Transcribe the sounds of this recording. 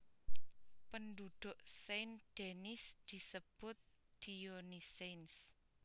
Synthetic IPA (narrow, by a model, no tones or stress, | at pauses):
pənd̪ud̪̥ʊ̤ʔsejnd̪̥enɪsd̪̥i̤səb̥ʊt̪̚d̪̥ionisens